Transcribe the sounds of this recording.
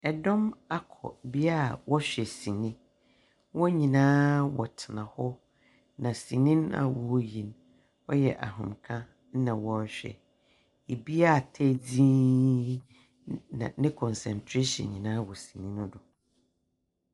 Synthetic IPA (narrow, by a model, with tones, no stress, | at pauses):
ɛ˨dɔ̃˦ma˦kʰɔ̰˨bi˦a˦˨wɔ˦ɕᶣɛ˨sĩ˨nĩ˦ | wɔ˦ɲĩ˨nãː˦wɔ̰˨tʰɪ˨nã˨hɔ˦ | nã˨sĩ˨nĩ˦na̰˨wɔ˨˦jĩ˨n | ɔ˦jɛ̰˨ʔa̰˨ɦʊ̃˨mkʰã˦ | n̩˦nã˨wɔ˦ɕᶣɛ̰˨ | e˨bi˦a˦˨tʰɛ˦d͡zĩ˦ | nã̰˨nɪ̃˦kʰɔ̃˨nsɛ̰̃˨ntʰɾe˦ɕɔ̰̃˨nɲĩ˨nãː˦wɔ˨sĩ˨nĩ˦nʊ̃˦dʊ˨